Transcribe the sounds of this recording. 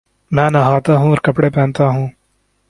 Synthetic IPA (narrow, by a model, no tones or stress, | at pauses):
mɛ̃ːnaɦaːt̪aɦũːɔːɾkɐpɽepɛ̃ːnt̪aɦũː